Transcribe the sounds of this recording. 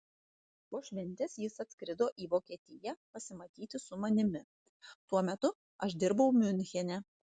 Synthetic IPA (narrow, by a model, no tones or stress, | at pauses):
poːʃʲʋʲɛnʲt̪ʲɛsjɪsɐt̪ʲsʲkɾʲɪd̪oːʔiːʋoːkʲiɛt̪ʲɪjɛpɐsʲɪmɐt̪ʲiːt̪ʲɪsʊmɐnʲɪmʲɪ | t̪uɔmʲɛt̪ʊ | ɐʃd̪ʲɪɾbɐʊmʲʊnʲxʲɛnʲɛ